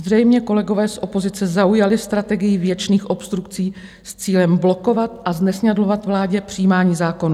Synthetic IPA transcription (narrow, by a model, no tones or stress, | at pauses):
zrɛjmɲɛko̞lɛɡo̞vɛːsʔo̞po̞zɪt͡sɛzaujalɪst̪ɾat̪ɛɡɪjɪvjɛt͡ʃniːxʔo̞pst̪ɾukt͡siː | st͡siːlɛmblo̞ko̞vat̪ʔaznɛsɲadlo̞vat̪vlaːɟɛpr̝̥ijiːmaːɲiːzaːkonu